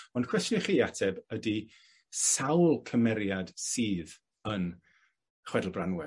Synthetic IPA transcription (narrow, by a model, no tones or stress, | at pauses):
ɔnkʰw̥ɛstniχiːatʰɛbədi | sawlˠkʰəmɛɾjad̥siːð | ən | χwɛdl̩ˠbranwɛ